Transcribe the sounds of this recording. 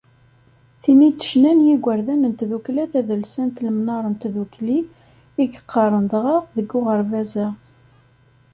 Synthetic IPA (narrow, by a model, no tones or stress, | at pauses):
θimit̪ːə̥ʃnænjiɡʷəɾðænənt̪ðuklæθæðəlsænt̪ləmnɑɾˤənt̪ðukli | iɡə̥qʰːɑɾˤənd̪ʁɑʁðəɡːʊʁəɾvæzæ